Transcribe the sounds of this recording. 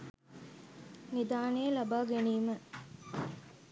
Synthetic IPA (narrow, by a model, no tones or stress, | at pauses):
nid̪aːnejəlabaːɡeniːmə